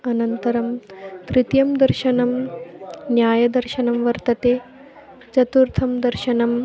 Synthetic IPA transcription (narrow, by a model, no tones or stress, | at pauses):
ɐnɐnt̪ɐɾɐmt̪ɾɪt̪jɐmd̪ɐɾʃɐnɐm | njaːjɐd̪ɐɾʃɐnɐmʋɐɾt̪ɐt̪eː | t͡ʃɐt̪uɾt̪ʰɐmd̪ɐɾʃɐnɐm